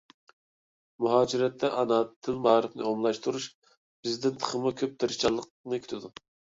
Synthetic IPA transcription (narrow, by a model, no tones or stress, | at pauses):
muɦɑːd͡ʒiɾɛt̪ʰːɛʔɑnɑt̪ʰːɨlmɑːɾɨpnɨ̰omlˠɑʃt̪uɾuʃ | b̥ɪzd̪ɪnt̪ʰə̥χəmʊkʲʰøp̚d̪ɨɾɨt͡ʃʰɑlˠːəq̚ | nɨkʲʰy̥t̪ʰɪd̪u